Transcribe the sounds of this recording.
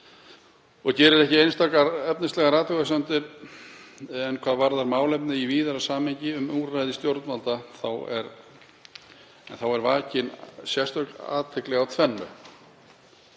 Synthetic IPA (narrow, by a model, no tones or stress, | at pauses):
ɔɣcɛːɾɪɾɛhcɪejnst̪aːkaɾɛpnɪst̪lɛɣaɾaːt̪œɣasant̪ɪɾ | ɛnkʰvaːðvaɾðaɾmaːwlɛpnɪiviːðaɾasaːmɛɲcɪʏmuːrajðɪst̪jowɾt̪malt̪aθawɛ̰ɾ | ɛ̰nθawɛɾvaːcɪnsjɛr̥t̪vœkla̰ːðt̪ʰɛklɛɣawt̪ʰvɛnːʏ̰